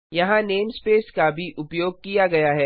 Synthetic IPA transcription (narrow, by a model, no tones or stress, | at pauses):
jɐɦãneːmspeːskabʱiʔʊpjoːɡ̚kijaɡɐjaɦɛː